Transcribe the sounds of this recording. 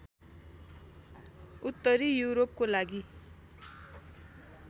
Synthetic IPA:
ut̪ːʌɾijuɾop̚kolaɡi

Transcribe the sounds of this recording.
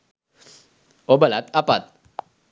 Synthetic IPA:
obalat̪apat̪̚

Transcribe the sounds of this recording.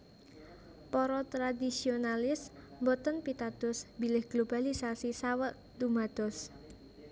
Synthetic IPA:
pɔɾɔt̪ɾad̪isionalɪsmbɔt̪ənpit̪ad̪̥ɔsbilɪhɡ̥lob̥alisasisawəʔ | d̪umad̪̥ɔs

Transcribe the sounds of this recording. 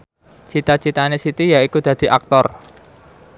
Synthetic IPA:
t͡ʃit̪at͡ʃit̪anesit̪ijaikud̪̥ä̤d̪̥i̤ʔak̚t̪ɔr

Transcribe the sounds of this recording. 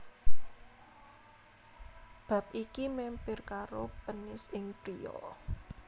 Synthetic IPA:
b̥ä̤p̚ikimɛmpɪrkaɾopənɪsɪŋpɾiɔ̰

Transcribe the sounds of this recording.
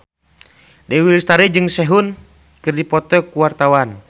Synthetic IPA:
dɛwilst̪aɾɛd͡ʒɨŋsɛɦun | kɨrdipɔt̪ɔkuwart̪awan

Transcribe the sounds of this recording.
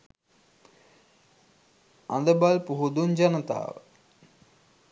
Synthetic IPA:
a̰nd̪əbalpuɦud̪und͡ʒanət̪a̰ːʋə̰

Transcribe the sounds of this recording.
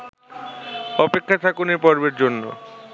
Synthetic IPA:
ɔpekʰːat̪ʰakunepɔɾbeɾd͡ʑonːo̰

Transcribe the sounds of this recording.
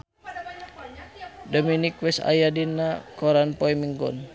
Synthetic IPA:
dominikwɛsa̰jadinakɔɾanpɔimiŋɡɔ̰n

